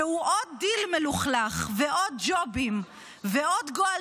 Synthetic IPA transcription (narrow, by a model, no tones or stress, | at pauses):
ehuʔod̪̚ːilmeluχlaχveʔod̪̚d͡ʒobim | veo̞d̪ɡoa